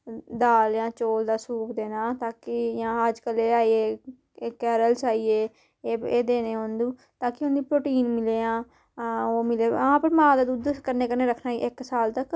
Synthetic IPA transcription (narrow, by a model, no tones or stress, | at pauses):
d̪aːljãːt͡ʃoːld̪aːsuːpd̪eːnaːt̪aːkɪjãːəd͡ʒkəleːaːieː | kɛːɾəlsaːiːeː | eːeːd̪eːneːɦõːnd̪ũː | t̪aːkɪʊnd̪iːpɾoːʈiːnmɪleːãː | oːmɪleːãːpəɾmãːd̪aːd̪uːd̪kəɾneːkəɾneːɾəkʰnaːḭʔɪksaːlt̪ək